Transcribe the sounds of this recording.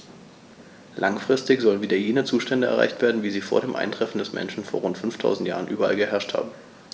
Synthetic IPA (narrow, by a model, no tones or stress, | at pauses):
lʔaŋfʁ̥ɪstɪçz̥ɔlənviːdɐjeːnət͡suːʃtɛndəɛɐʁa̰ɪçtv̥eːɐdn̩viːziːfoːɐɾeːmʔa̰ɪntʁ̥ɛfn̩dɛsmʔɛ̰nʃn̩foːɐʁ̞ʊntfʏnftʰa̰ʊzn̩tjaːʁ̞ənʔyːbɐʔa̰lɡəɦɛɐʃtha̰ːbm̩